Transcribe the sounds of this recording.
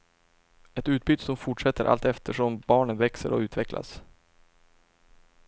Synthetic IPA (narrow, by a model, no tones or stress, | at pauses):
ɛt̪ʉ̟ːt̪̚bʏːd̪sɔmfʊʈʂɛt̪ːəɾʔa̰lt̪ɛft̪ʰəʂɔmbɑːɳənvɛksə̰ɾɔ̰ʉ̟ːt̪vɛklʔa̰s